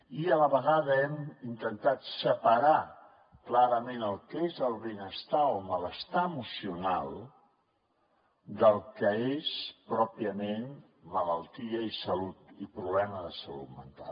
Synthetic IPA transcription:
iələβəɣ̞aðəɛmint̪ənt̪at̪səpəɾa | klaɾəmenəlˠkezəlˠβenəst̪aɔmələst̪aəmusiuna̰lˠ | d̪əlˠkəespɾɔpiəmen | mələlˠt̪iəisəlut̪ipɾuβlɛməðəsəlṵt̪mə̰nt̪a̰l

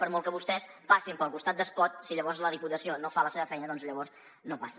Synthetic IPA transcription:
pəɾmolˠkəβust̪ɛspasimpəlˠkust̪at̪̚d̪əskɔt̪̚siʎəβɔɾzləðiput̪əsionofaləseβəfɛjnəðɔnzʎəβɔɾs | nopas

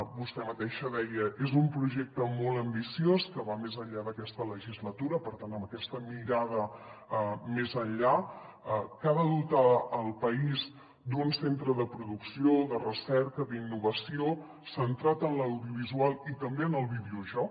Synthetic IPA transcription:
bust̪ɛmət̪eʃəðɛjəʔezumpɾuʒɛk̚t̪əmɔlˠəmbisioskəβamezəʎʎaðəkɛst̪ələʒizlət̪uɾəpəɾt̪anəmbəkɛst̪əmiɾað̞əəmezənʎa | kaðəðut̪əːlˠpəiz | d̪unsent̪ɾəðəpɾuðuksioðərəsɛɾkəðinːuβəsio | sənt̪ɾat̪ənləwðiuβ̞izualˠit̪əmbeənəlˠβiðiuʒɔ

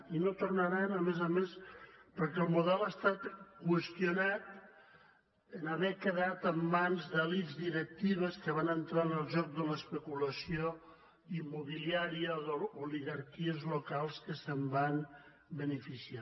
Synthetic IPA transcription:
inot̪uɾnaɾanəmezamespəɾkɛlˠmuðɛlast̪at̪kwəst̪junat̪ | ənaβɛkəðat̪əmːanzðəlizd̪iɾək̚t̪iβəskəβanənt̪ɾanəlˠʒɔk̚d̪ələspəkuləsjo | imːuβiliaɾiəðouliɣaɾkiəzlokalˠskəsəmban | bənəfisia

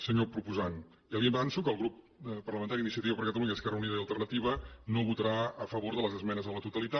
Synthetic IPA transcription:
səɲopɾupuzan | iəliəmbɛnsukəːlˠɣɾup | pːərləmə̃nt̪aɾiːnisiət̪iβəpəɾkət̪əluɲəːskɛrəuniðəiəlˠt̪ərnət̪iβ̞ənoβut̪əɾaəfəβ̞oɾðələzəzmɛnəzðələt̪ut̪əlit̪a

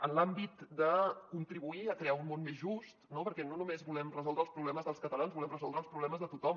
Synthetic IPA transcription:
ənlambit̪d̪əkunt̪ɾiβuiəkɾeaunmonmezʒust̪nopəɾkɛnonumezbulɛmrəzɔlˠd̪ɾəːlˠspɾuβlɛməzðəlˠskət̪əlanzβulɛmrəzɔlˠd̪ɾəlspɾuβlɛməzðət̪ut̪ɔm

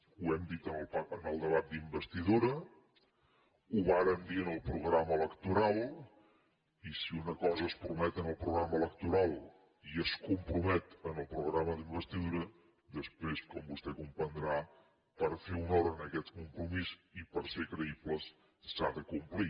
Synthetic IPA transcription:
uɛmd̪it̪ənəlˠpaənəlˠd̪əβat̪̚d̪imbəst̪iðuɾə | uβaɾəmd̪iənəlˠpɾuɣɾaməələkt̪uɾalˠ | isiunəkɔzəːspɾumɛt̪ənəlˠpɾuɣɾaməlˠəkt̪uɾalˠ | iəskumpɾumɛt̪ənəlˠpɾuɣɾaməðimbəst̪iðuɾə | d̪əspɾeskɔmbust̪ɛkumpənd̪ɾa | pəɾfeunɔɾəːnəkɛt̪kumpɾumizipəɾsekɾəipləs | saðəkumpli

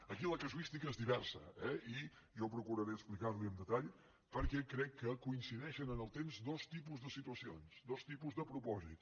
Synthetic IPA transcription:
əkiləkəzuist̪ikəezðiβɛɾsə̰ɛi | ʒɔpɾukuɾəɾeəksplikaɾliəmd̪ət̪aʎ | pəɾkɛkːɾɛkːəkuinsiðɛʃənənəlˠt̪emzd̪ɔst̪ipuzðəsit̪uəsionsd̪ɔst̪ipuzðəpɾupɔzḭt̪

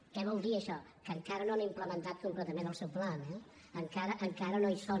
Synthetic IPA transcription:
kɛβ̞ɔlˠd̪iəʃɔ | kəŋkaɾənoanimpləmənt̪at̪̚kumplət̪əmend̪əlˠsɛwplanɛ | əŋkaɾəʔəŋkaɾənoisɔ

